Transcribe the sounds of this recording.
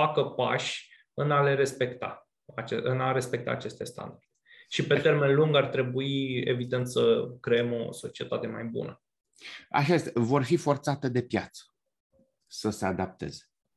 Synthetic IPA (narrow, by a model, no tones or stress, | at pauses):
fakəpaʃ | ɨnale̞ɾe̞spe̞kt̪a̰ | at͡ʃeɨnaɾe̞spe̞k̚t̪a̰ːt͡ʃe̞st̪est̪a̰nd̪ardd̪eʃipe̞t̪e̞rme̞nluŋɡart̪ɾe̞buiḛvid̪e̞nt̪səkɾe̞emo̞̰so̞t͡ʃie̞t̪at̪e̞majbṵnə | a̰ʃaest̪avo̞rfifo̞rt̪sat̪ed̪e̞pjat̪sə̥ | səse̞ad̪ap̚t̪e̞̰ze̥